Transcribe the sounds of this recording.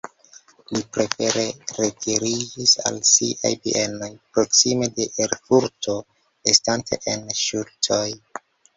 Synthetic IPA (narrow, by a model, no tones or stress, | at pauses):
lipɾe̞fe̞ɾe̞ɾetʰiɾid͡ʒisa̰lsḭʔa̰jviʔe̞no̞jpɾo̞ksime̞de̞ʔeɾfuɾto̞ | estantʰe̞̰ʔenʃultʰo̞j